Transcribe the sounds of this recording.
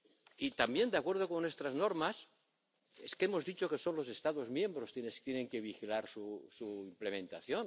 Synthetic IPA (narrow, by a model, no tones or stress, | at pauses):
it̪ambje̞nd̪eakwe̞ɾð̞okonwe̞st̪ɾazno̞ɾmas | e̞skemo̞zðit͡ʃo̞ke̞so̞nlo̞se̞st̪aðo̞zmjẽ̞mbɾo̞st̪jenest̪jeneŋkeβ̞ixilaɾsusuimple̞mẽ̞nt̪aθjon